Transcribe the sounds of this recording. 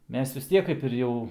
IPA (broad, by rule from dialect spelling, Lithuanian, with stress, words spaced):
ˈmʲɛs ʋʲɪs ˈtʲiɛk kɐɪp ɪr ˈjɛʊ